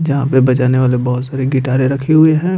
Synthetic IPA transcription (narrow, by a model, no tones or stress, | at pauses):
d͡ʒɐɦãpebɐt͡ʃaːneʋaːlebɔɦʊt̪saːɾeɡɪʈaːɾeɾɐkʰeɦʊeɦɛ̃ː